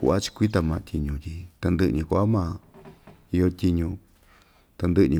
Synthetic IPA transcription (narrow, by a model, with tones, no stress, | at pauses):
kṵ˧ʔa˦t͡ʃi̥˧kʷi˦t̪̬a˧mã˧t̪ʲʰi˧ɲũ˧t̪ʲi˧t̪a˧nd̪ɨ˦˧ʔnĩ˧ku˧˦a˦mã˧ | i˧jo˧t̪ʲi˧ɲũ˧ | t̪a˧nd̪ɨ˦ʔnĩ˧